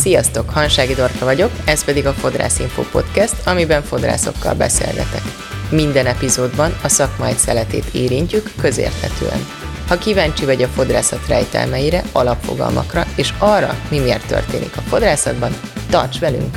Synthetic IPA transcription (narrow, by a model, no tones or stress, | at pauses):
sijɒst̪o̞khɒnʃaːɡid̪o̞rkɒvɒɟo̞kɛspɛd̪iɡɒfo̞d̪ra̰ːsiɱfo̰ːpo̞̰t̪kɛst̪ʰɒmibɛɱfo̞d̪ra̰ːso̞kːɒ̰lbɛ̰sḛːlɡɛ̰t̪ɛk | mind̪ɛnɛpizoːd̪bɒnɒsɒkmaːj̪sɛlɛt̪eːt̪eːɾiɲcykːø̞zḛːrt̪hɛt̪øːɛ̰n | hɒkivaːɲt͡ʃivɒɟɒfo̞d̪ra̰ːsɒt̪rɛjt̪ɛ̰lmɛjiɾɛɒlɒpfoɡɒ̰lmʔɒ̰krɒeːʃɒrːɒ̰mimeːrt̪ːø̰rt̪eːnḭkɒfo̞d̪raːsɒd̪bɒnt̪ɒ̰rt͡ʃʋɛly̰ŋk